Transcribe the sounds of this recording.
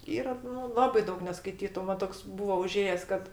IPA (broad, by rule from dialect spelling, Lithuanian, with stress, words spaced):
ˈiːrɐ nʊ ˈlˠɑːbɐɪ ˈdɐʊk nʲɛskɐɪˈtʲiːtʊ ˈmɐn toːks ˈbuːʋɐ ʊˈʒʲeːjɛs ˈkɐt